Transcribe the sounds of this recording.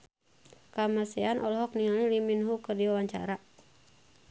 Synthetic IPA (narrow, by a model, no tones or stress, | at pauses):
kamasɛanʔɔlɦɔk̚niŋaliliminɦukərdiwawaɲt͡ʃa̰ɾa